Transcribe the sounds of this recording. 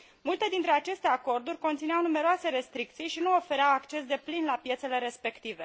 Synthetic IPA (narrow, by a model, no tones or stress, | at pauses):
mult̪e̞d̪int̪ɾe̞at͡ʃe̞st̪e̞ako̞rd̪urʲko̞nt̪sinawnumeɾoase̞ɾe̞st̪ɾik̚t̪sijʃinuo̞fe̞ɾeawakt͡ʃe̞s̬d̪e̞plinlapje̞t̪se̞le̞ɾe̞spe̞kt̪ive̞